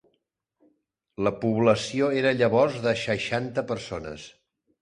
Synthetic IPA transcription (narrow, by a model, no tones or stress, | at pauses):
ləpuβləsioeɾəʎəβɔrzðəʃəʃant̪əpəɾsonə̰s